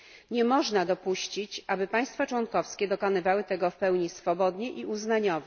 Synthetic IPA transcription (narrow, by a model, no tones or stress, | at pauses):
ɲɛmɔʐnad̪ɔpuɕt͡ɕit͡ɕʔabɘpaj̃st̪fat͡ʂwɔnkɔfskʲɛd̪ɔkɔnɘvawɘt̪ɛɡɔfpɛwɲisfɔbɔd̪ɲɛʔiuznaɲɔvɛ